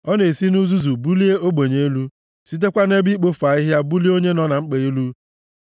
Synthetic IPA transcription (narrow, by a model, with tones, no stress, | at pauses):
ɔ˦ne˨si˦nu˦zu˦zu˨bu˦li˦e˦o˦ɡ͡be˨ɲe˨˦lu˦ | si˦t̬e˦kʷa˦ne˦bi˦k͡po˦fa˨i˦ɦja˦bu˦li˦o˦ɲe˦nɔ˦na˨ŋ͡m̩˦k͡pe˨i˦lu˦